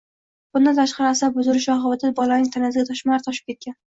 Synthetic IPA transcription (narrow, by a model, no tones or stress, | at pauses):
b̥ʊnd̪ant̪ʰaʃqɑɾɪasabʊzʊɾɪʃɒχɑwat̪ʰad̪bɒlˠanɪŋt̪ʰanasɪɡʲat̪ʰɒʃmɾt̪ʰɒʃɪ̥p̚kʲe̞t̪̚kʲan